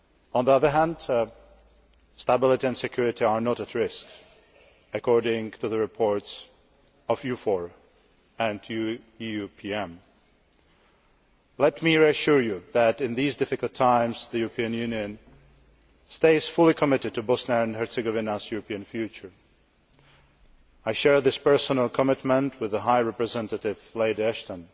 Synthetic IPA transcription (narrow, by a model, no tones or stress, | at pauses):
ə̃nðiʌðə˞ɦæ̃nd | stəbɪlˠɪɾiɨ̃nsɨkʰj̥ʊɹɪɾiə˞nɔɾətʰɹɪsk | ɨkʰɔɹɾɪ̃ŋtʰɨðəɹɨpʰɔɹts | ʌvjʉfɔɹ | ɨ̃nʰ | jʉpʰiɛ̃m | lɛtmiɹiɨʃʊɹjuðɨɾɨ̃nðizdɪfɨkl̩ˠtʰãɪ̃mzðɨjuɹəpʰiɨ̃njʉnjɨ̃n | steɪsfʊlˠikʰəmɪɾɨd̚tɨbɔsnəɨ̃nhɛɹtsɨɡɔvɪnəsjuɹəpʰiɨ̃nfjʉt͡ʃə˞ | aɪʃɛɹðɪspɜ˞sənəl̩ˠkʰəmɪtmə̃ntʰwɨðəɦaɪɹɛpɹɨzɛ̃ntəɾɪv̥leɪɾiɛʃtə̃n